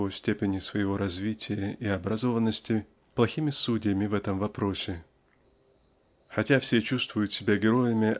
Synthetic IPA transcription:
ojsʲtʲepʲɪnʲɪsvəjɪvo̞ɾɐzvʲitʲɪjəʔiɐbɾɐzo̞vənːəsʲtʲɪ | plˠɐxʲimʲɪsudʲɪjəmʲɪvɛt̪əmvɐpɾo̞sʲɪ | xɐtʲafsʲet͡ɕust̪vʊjʊt̪sʲɪbʲaɡʲɪɾo̞jɪmʲɪ

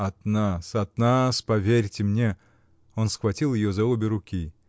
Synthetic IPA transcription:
ɐt̪nasɐt̪naspɐvʲeɾʲtʲɪmnʲe | onsxvɐtʲilˠjɪjozɐubʲɪɾʊkʲi

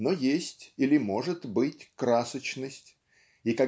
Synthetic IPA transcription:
nojesʲtʲilʲɪmo̞ʐɨt̪bɨtʲkɾasət͡ɕnəsʲtʲ | ika

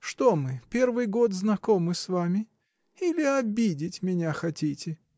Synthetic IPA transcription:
ʂt̪omɨpʲe̞rvɨjɡo̞t̪znɐko̞mɨsvamʲɪ | ilʲɪɐbʲidʲɪtʲmʲɪnʲaxɐtʲitʲɪ

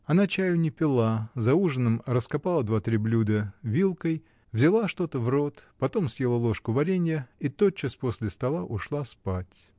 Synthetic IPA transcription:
ɐnat͡ɕæjʊnʲɪpʲɪlˠazɐuʐɨnɨmrəskɐpalˠəd̪vat̪ɾʲiblʲud̪əvʲilˠkəj | vzʲɪlˠaʂt̪o̞t̪əvro̞t̪pɐt̪o̞msʲjelˠəlˠo̞ʂkʊvɐɾʲenʲɪjəit̪ot͡ɕːɨsposʲlʲɪst̪ɐlˠaʔʊʂlˠaspatʲ

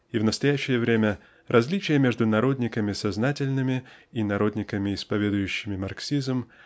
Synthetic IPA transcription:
ivnəst̪ɐjæɕːɪjəvɾʲemʲə | rʔɐzʲlʲit͡ɕɪjəmʲeʐd̪ʊnɐɾo̞d̪ʲnʲɪkəmʲɪsɐznatʲɪlʲnɨmʲɪinɐɾo̞d̪ʲnʲɪkəmʲɪɪspɐvʲe̞d̪ʊjʉɕːɪmʲɪmɐrksʲizm

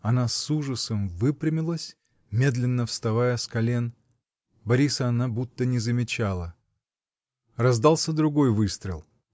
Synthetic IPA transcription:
ɐnasuʐəsəmvɨpɾʲɪmʲɪlˠəsʲ | mʲe̞d̪lʲɪnːəfst̪ɐvajəskɐlʲen | bɐɾʲisəɐnabut̪ːənʲɪzəmʲɪt͡ɕalˠə | rɐzd̪alˠsʲəd̪ɾʊɡo̞jvɨst̪ɾʲɪ̰lˠ

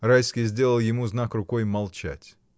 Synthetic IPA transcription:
rajskʲijzʲdʲe̞lˠəlˠjɪmuznakrʊkojmɐlˠt͡ɕæ̰tʲ

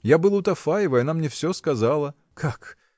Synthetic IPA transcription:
jabɨlˠʊt̪ɐfajɪvəjɐnamnʲɛfsʲoskɐzalˠə | kʰak

